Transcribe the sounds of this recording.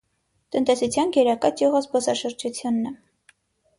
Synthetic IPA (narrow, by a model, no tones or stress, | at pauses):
t̪ənt̪ɛsut͡sʰjɑnɡɛɾɑkɑt͡ʃjuʁɑzbɔsɑʃəɾd͡ʒut͡sʰjunːɛ